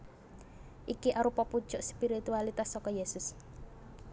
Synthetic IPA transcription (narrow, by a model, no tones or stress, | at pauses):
ʔikiʔaɾupɔpud̥ʒ̥ʊʔspiɾit̪ualit̪asːɔkɔjesʊs